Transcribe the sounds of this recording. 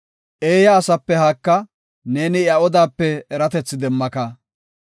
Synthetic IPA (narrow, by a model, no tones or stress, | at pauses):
ʔe̞ːjɐːsɐpːɛhɐkːɐ | ne̞ːnɪjɐɔd̪aːpːɛːɾɐt̪ɛt͡sːɪd̪ɛmːɐkɐ